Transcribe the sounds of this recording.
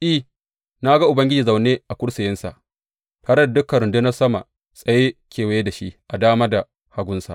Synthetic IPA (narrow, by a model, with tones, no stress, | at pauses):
ʔi˦ | na˦ɡa˦ʔʊ˨bɐ˦ŋɡʲɪ˦d͡ʒiː˨za˨wneː˦ʔa˨kʷʊ˦ɽsɪ˨jɪ˦nsa̰˨ʔ | taː˨ɾe˦da˨dʊ˦kɐ˨ɾʊ˨nde˦nɐ˦sɐ˦ma̰˨ | sʼɐ˨jeː˦kʲʰeː˨wa˨je˦da˨ʃi˦ʔʔa˨daː˦maː˦da˨ | ha˨˦ɡʷʊ˦nsa̰˨ʔ